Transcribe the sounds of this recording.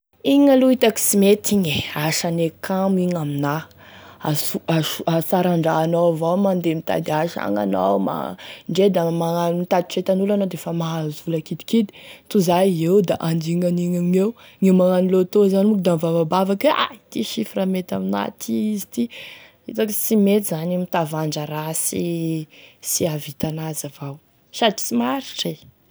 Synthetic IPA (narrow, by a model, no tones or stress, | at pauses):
iɲaloit̪aki̥simet̪ʰiɲeaʃanekʰamiɲamina | asuaʃuasaɾaɳɖ͡ʐaːnavawmand̪emit̪a̰d̪iaʃa̰ŋa̰na̰wma̰ɳɖ͡ʐed̪amaŋanmit̪ad̪i̥ʈ͡ʂet̪anulanad̪efamaazulakid̪i̥kid̪i̥t̪uzajewd̪aʔand̪iŋaniŋaŋewŋewmaŋanilot̪ozanmukd̪amvavabavakea̰t̪iʃifiramet̪amina̰t̪ʰiizi̥t̪i | ḭzaksimet̪izanimit̪avaɳɖ͡ʐaɾasi | siavit̪anazavaw | sadi̥simaɾiʈ͡ʂe